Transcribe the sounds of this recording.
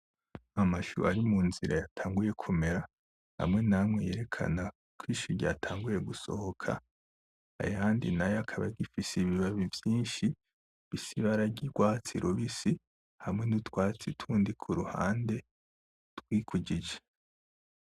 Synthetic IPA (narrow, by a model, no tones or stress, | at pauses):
amaʃṵʔaɾimuːnziɾa̰jatʰaːŋɡuje̞kʰome̞ɾa | ha̰mŋe̞namŋeje̞ɾe̞kʰa̰na | kʰwiːʃuɾɟa̰ːtʰaːŋɡuje̞ɡuso̞̰hokʰa̰ | a̰jaːndḭnajakʰaβa̰ɡifisiβiβaβivjiːnʃi | βisiβaɾaɡiɡ̥waːt͡siɾʔoβisi | hamŋe̞nutwaːt͡sitʰuːndikʰuɾuha̰ːnde̞ | twiːkʰuɟid͡ʒe